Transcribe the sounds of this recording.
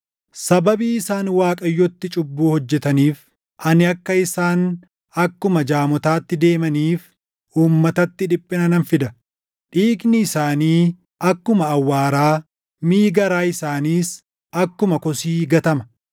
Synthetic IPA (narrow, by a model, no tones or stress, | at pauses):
sɐbɐbiːɪsaːnwaːkʼɐjːɔt̪ːɪt͡ʃʼʊbːuːhɔd͡ʒːɛt̪ɐniːf | ʔɐnɪɐkːɐɪsaːn | ɐkːʊmɐd͡ʒaːmɔt̪aːt̪ːɪd̪e̞ːmɐniːf | uːmːɐt̪ɐt̪ːɪᶑɪpʼːɪnɐnɐnfɪd̪ɐ | ᶑiːknɪːɪsaːniː | ɐkːʊmɐːwːaːɾaː | miːɡɐɾaːɪsaːniːs | ɐkːʊmɐkɔsiːɡɐt̪ɐmɐ̥